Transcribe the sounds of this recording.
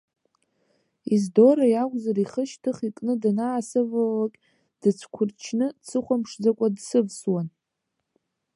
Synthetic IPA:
izdoɾajakʷʼzaɾiχəʃtʰɨχikʼnɨdanaːsɨvawakʲʼ | d̥ɨt͡sʷʰkʷʰʊrt͡ʃʰnɨt͡sʰɨχʷampʂd͡zakʷʼadsɨvswan

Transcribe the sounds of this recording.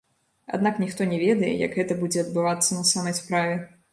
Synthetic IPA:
a̰d̪naknʲixt̪ɔnʲɛvʲɛd̪ɐjɛ̰jɐ̰kɣɛt̪ɐbud͡zʲɛɐd̪̚bɨvat̪sːɐnɐsamɐjspɾavʲɛ

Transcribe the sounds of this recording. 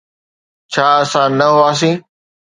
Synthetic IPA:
t͡ɕʰaːɐsãːnɐɦʊaːs̬ĩː

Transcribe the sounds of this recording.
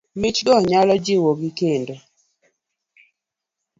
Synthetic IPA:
mɪt͡ʃɡɔɲalɔd͡ʒɪwoɡikendo

